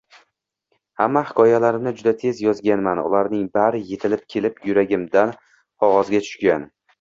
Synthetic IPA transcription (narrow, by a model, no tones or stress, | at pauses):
hamːahɪ̥kɒjalaɾɪmnɪd͡ʒʊd̪at̪ʰe̞zjɒzɡʲanmanʊ̰laɾnɪŋbaɾɪje̞t̪ʰɪlɪp̚kʲʰe̞lɪpjʊɾaɡʲɪmd̪an | ɒʁɒzɡʲat̪ʰʊ̥ʃɡʲan